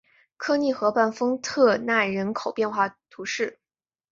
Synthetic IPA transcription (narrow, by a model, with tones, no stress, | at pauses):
kʰɤ˥˧ni˥˩xɤ˧˥pa˥˩nfɤ˥ŋt̪ʰɤ˥˧na˥˩ɻə˧˥nkʰo˨˩ʊpjɛ˥˧nxwa˥˩t̪ʰu˧˥ʂɻ̩˥˩